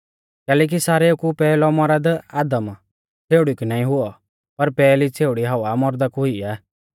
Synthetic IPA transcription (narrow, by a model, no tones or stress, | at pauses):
kɛːlɛːk̬isaːɾeokupɛːlɔmɔɾad̪aːd̪əm | t͡sʰeːʊɽikunaːĩɦʊɔ | pɐɾpɛːlit͡sʰeːʊɽiɦaʋamɔɾd̪akuʊiaː